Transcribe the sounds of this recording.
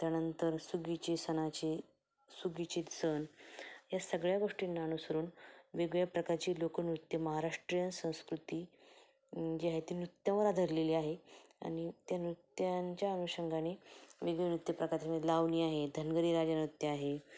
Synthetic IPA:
t̪janənt̪əɾsuɡit͡ɕisənat͡ɕe | suɡit͡ɕit̪sənjasəɡɭjaɡoʂʈinːaːnusəɾuːnʋeɡɭjapɾəkaɾt͡ɕiːlokənɾut̪jəməɦaɾaʂʈɾijənsə̃w̃skɾut̪iː | d͡ʑiaɦet̪iːnɾut̪jãʋəɾad̪ʱəɾleliːaɦea̰ñit̪janɾut̪jaɲt͡ɕjaənuɕəŋɡʱaneʋeɡenɾut̪japɾəkaɾt̪aməlaʋniːaɦed̪ʱənɡəɾiːɾad͡ʑanɾut̪jəaɦe

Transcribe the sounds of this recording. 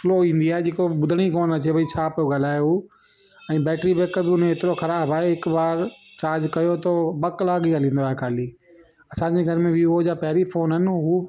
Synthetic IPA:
floːĩːn̆d̪iaːɦed͡ʑeːkobʊd̪ʱəɽ̃ikoːnɐt͡ɕʰebɐit͡ɕʰaːpijoɡɐl̤aːjo | ɛ̃ːbɛːʈɾibeːkəbɪʊnẽɦɪt̪ɪɾoxɐɾaːbaːɦeɦɪkbaːɾt͡ɕaːɾd͡ʑkɐjot̪obɐklaːɡiɡalĩːn̆d̪oaːɦekʰaːliː | ɐsãːɲd͡ʑeɡʱɐɾmẽbiʊɦod͡ʑaːpɐɦɪɾifoːnɦɐnɪ̆ɦuː

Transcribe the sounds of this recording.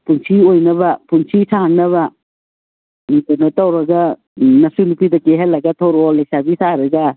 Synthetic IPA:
punsʰiojnɐbɐpʰunsʰitʰaɦaŋnɐβɐ | mitɐnatawɾɐɡɐ | nɐsunupidɐkeɦalɐɡɐtʰowɾɔlejsabisʰaɾɐɡɐ

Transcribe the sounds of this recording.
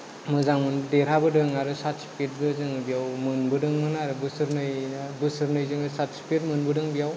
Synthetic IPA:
mɯzaŋmɯndeɾabɯdɯŋaɾɯsatspʰiɾ̚bɯzɯŋɯbijawmɯnbɯdɯŋmɯnaɾɯbɯsɯɾnɯjbɯsɯɾnɯjzɯŋɯsatspʰiɾmɯnbɯdɯŋbijaw

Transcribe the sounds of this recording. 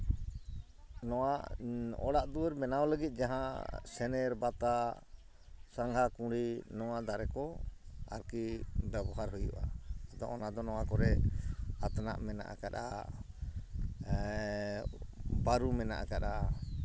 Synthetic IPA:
nɔwaʔɔ̰ɽaʔd̪uwəɾmɛnawləɡit̪̚ˀd͡ʒaɦãsɛnɛɾbat̪a | sãŋɡʱakũɽinɔwaʔd̪aɾɛkɔa̰ɾkibɛbɔɦaɾɦujṵʔaad̪ɔ̰ʔɔnad̪ɔnɔwakɔɾɛat̪na̰ʔmɛna̰ʔa̰kaɗa̰ | baɾumɛna̰ʔa̰kaɗa

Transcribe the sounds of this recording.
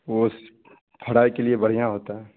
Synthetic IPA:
os | pʰəɽaːikeliebəɽ̤ijãɦoːt̪aɦɛː

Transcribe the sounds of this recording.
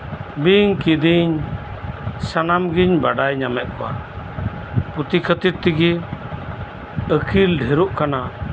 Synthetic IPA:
biŋkid̪iɲ | sanamɡiɲbaɖajɲamɛʔ̪̚kɔwa̰ | put̪ikʰət̪iɾt̪iɡi | əkʰilɖʱɛɾuʔkana

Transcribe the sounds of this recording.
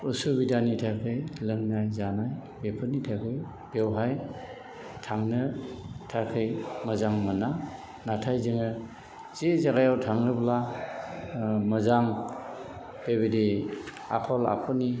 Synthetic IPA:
ɯsubidanitʰajkʰɯjlɯŋnajzanaj | bepʰɯnitʰajkʰɯj | b̥ewɦaj | tʰaŋnɯtʰakʰɯjmɯzaŋmɯna | natʰajzɯŋɯ | z̥ezaɡajawtʰaŋɾɯbla | mɯzaŋ | b̥ebedi | a̰kʰɔla̰kʰɔni

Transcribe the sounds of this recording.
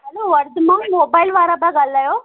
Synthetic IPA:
ɦɐloʋɐɾd̪mãmoːbaːɪlʋaːɾaːbaɡalːajoː

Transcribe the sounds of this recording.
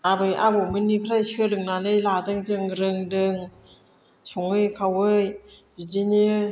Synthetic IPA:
abɯjʔa̰bɔmɯnːipʰɾajsɯlɯŋnanɯjladɯŋzɯŋɾɯŋdɯŋ | sɔŋɯjkʰawɯjbizenɯ

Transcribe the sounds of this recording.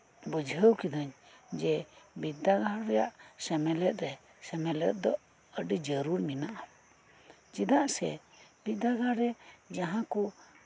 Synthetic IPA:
bəd͡ʒɦəwkid̪ɔɲ | d͡ʒɛbid̪aɡaɾɛjaʔsɛmɛlɛt̪̚ɾɛ | sɛmɛlɛ̰t̪̚d̪ɔ | əɖid͡ʒəɾuɾminaʔa | d͡ʒid̪aʔsɛ̰ | bid̪aɡaɾɛd͡ʒaɦãku

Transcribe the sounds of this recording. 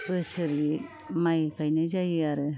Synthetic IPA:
bɯsɯɾi | majkajnɯzajɯaɾɯ

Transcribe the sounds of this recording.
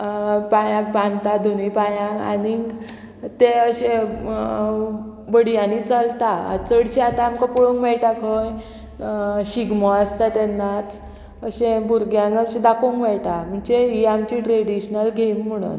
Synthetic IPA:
pajãk̚pãnt̪ad̪ʱunipajãŋɡa̰niŋɡ | t̪eəɕẽ | bəɽijãnit͡salt̪aə̰t͡səɽɕeat̪aːmkapuɭuŋkmɛɭʈakʰəj | ɕiɡmɔəst̪at̪ɛnːat̪ | əɕẽbuɾɡjãŋɡəɕẽd̪akʰoŋkmɛɭʈam̤əɳd͡ʑeiamt͡ɕiʈɾeɽiɕnəlɡʱem̤ːəɽ̃ṵn

